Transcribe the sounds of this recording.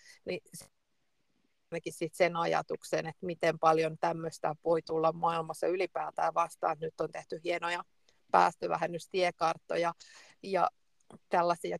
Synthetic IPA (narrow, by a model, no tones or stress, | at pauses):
nis | nɑkissit̪senɑjɑ̰t̪uksenet̪mit̪empɑljont̪æmːøst̪æʋoit̪ulːɑmmɑilmɑsːɑylipæːt̪æːʋɑst̪ɑ̰ːnet̪nyt̪ːont̪eht̪yhienojɑ | pæ̰ːst̪øʋæ̰hænːyst̪iekɑrt̪ːojɑ | jɑ̰ | t̪ælːæsiɑ